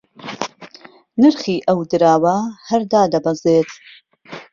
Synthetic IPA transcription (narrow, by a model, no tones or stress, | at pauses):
nɨɾχiːʔɐwd̪ɨɾaːwɐhɐɾd̪aːd̪ɐbɐzeːt̪